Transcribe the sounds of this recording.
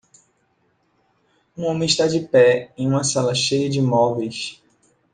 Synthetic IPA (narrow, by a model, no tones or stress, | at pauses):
ũõmẽj̃ʃt̪ad͡ʒɪpɛẽj̃ũmɐsalɐʃejɐd͡ʒɪmɔvejs